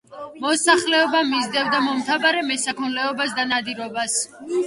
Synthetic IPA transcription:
mɔsaχlɛɔbamizd̪ɛvd̪amɔmt̪ʰabaɾɛmɛsakʰɔnlɛɔbasd̪anad̪iɾɔbas

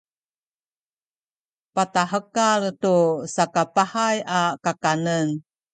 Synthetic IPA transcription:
pataɦəkaltusakapahajakakanən

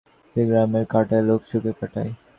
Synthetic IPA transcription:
eɡɾameɾkaʈajloksukekaʈaj

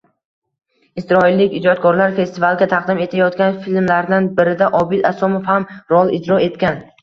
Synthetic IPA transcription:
ɪsɾɒɪlːɪkʲɪd͡ʒɒt̪̚kʰɒɾlaɾfe̞st̪ɪvalˠɡʲat̪ʰɑqd̪ɪme̞t̪ʰajɒt̪̚kʲanfilmlaɾd̪anbɪɾɪd̪aʔɒbɪd̪asɒmofhamɾɒlˠɪd͡ʒɾɒe̞t̪kʲan

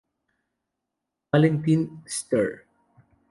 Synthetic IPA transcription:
alɛnt̪inst̪ɛɹ

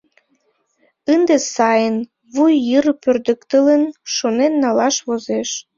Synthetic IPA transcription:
ənd̪esɑjən | βujːərpørd̪əkt̪ələnʃonenːɑlɑʃβozeʃ

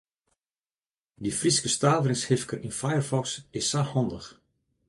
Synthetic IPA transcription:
difriskəstaːvərɪŋshɪfkərinfajərfɔksɪsːahɔndəx

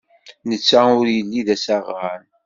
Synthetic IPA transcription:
nət͡sːæʊɾjəlːiðæsaʁːan

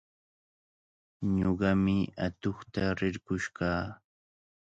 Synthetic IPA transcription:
ɲoɢɑmɪat̪oχt̪aɾɪɾkʊʃɢɑː

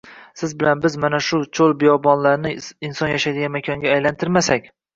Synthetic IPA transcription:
sɪzbɪlanbɪzmanaʃʊt͡ʃʰolˠbɪjɒbɒnlaɾnɪɪnsɒnjaʃajd̪ɪɡʲanmekʲʰɒŋɡʲaːjlant̪ʰɪɾmasakʲ

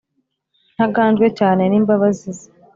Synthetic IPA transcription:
n̥haɡaːnzɡwe̞caːne̞niːmbaβazizi

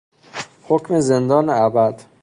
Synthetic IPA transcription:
hocmezend̪ɒːneæbæd̪̥

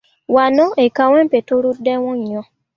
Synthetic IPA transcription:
wanɔ̃ʔekaw̃ɛ̃petoɾudɛw̃ɔ̃jɔ̃

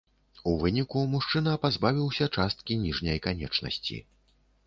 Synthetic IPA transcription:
uvɨnʲikumuʂt͡ʂɨnɐpazbavʲiwsʲɐt͡ʂast̪kʲinʲiʐnʲɐjkanʲɛt͡ʂnɐ̰sʲt͡sʲḭ

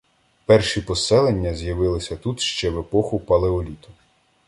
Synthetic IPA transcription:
pɛrʃipɔsɛlˠenʲːɐzʲjɐʋɪlˠɪsʲɐt̪ut̪ʃt͡ʃɛʋe̞pɔxʊpɐlˠeɔlʲit̪ʊ̥

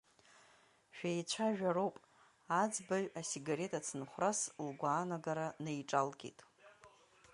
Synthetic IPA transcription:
ʃᶣajt͡ɕʷʰaʒᶣaɾowpʼ | ad͡zbaɥasiɡaɾe̞tʼat͡sʰɨnχʷraslɡʷaːnaɡaɾanejʈ͡ʂʼalɡʲḛtʼ

